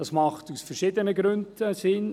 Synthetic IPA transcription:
d̥ɑsmɑχtusfɛɾʃɪdənəɡɾʉndsɪn

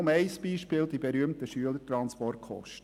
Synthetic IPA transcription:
ʊmɛɪsb̥iːʃpɪːld̥̪ibeɾyəmt̪əʃyələtɾɑnspɔrtχɔ̰ʃtə

